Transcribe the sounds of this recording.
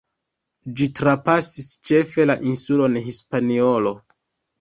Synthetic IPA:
d͡ʒitɾapasist͡ʃe̞fe̞laʔinsulo̞nɦispanio̞lo̞

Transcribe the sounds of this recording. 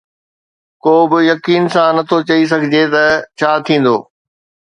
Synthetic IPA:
koːbɪjɐkiːnsãnɐt̪ʰot͡ɕɐis̬ɐɡʱɪd͡ʑet̪ɐt͡ɕʰaːt̪ʰĩːn̆d̪oː

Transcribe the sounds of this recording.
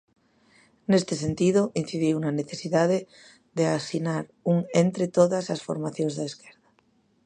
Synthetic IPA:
nest̪esent̪iðoʔin̟θiðiunaneθesiðað̞e | ðeasinaɾuŋent̪ɾet̪oðasasfoɾmaθjonzðaeskeɾða

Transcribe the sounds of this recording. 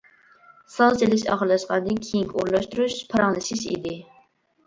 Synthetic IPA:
sɑt͡ʃ̪ʰelɪʃɑ̰χəɾlːˠɑʃqɑnd̪ɨnkʲʰejiŋkʲʰuɾlˠɑʃt̪uɾuʃpʰɑɾɑŋlˠɨʃiʃḭd̪ɪ

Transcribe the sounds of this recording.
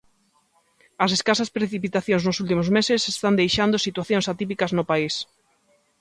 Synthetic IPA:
ɐseskasɐspɾeθipit̪aθjõŋznosult̪imozmesesest̪and̪ejʃand̪osit̪waθjõŋsat̪ipikɐznʊpais

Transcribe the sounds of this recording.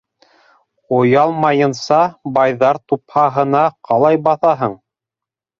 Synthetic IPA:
ŏjɑlˠmɑjɤ̆nsɑbɑjðɑɾt̪uphɑɦɤ̆nɑqɑlˠɑjbɑθɑɦɤɴ

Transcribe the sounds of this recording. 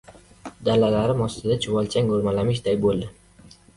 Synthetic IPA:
d̪alalaɾɪmɒst̪ɪd̪at͡ʃʰɪvɒlt͡ʃʰaŋɡoɾmalamɪʃ̬d̪ajbolˠd̪ɪ

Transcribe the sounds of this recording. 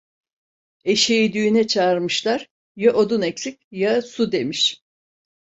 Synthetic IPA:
e̞ʃejid̪yynɛt͡ʃʰaːɾmɯʃlˠaɾ̥ | jaʔod̪unɛcsic̚ʲjasud̪e̞miʃ

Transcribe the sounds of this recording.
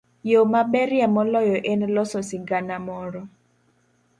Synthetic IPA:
jomaɓɛɾjamɔlɔjɔʔɛnlɔsɔsiɡanamɔɾɔ

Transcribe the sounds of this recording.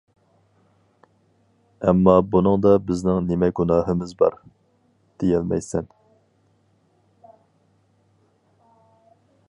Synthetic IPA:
ɛmːɑbunɨŋd̪ɑbɪznɪŋnɪmɛɡunɑːɦɨmɪzbɑ̰ɾ | d̪̥ejɛlmɛ̰jsɛn

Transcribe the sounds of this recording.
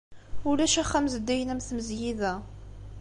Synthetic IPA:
ʊlæʃæχːæmzəd̪ːæjənæmθməzjiðæ

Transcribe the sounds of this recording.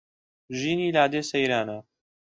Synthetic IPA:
ʒiːniːlaːd̪eːsɐjɾaːna

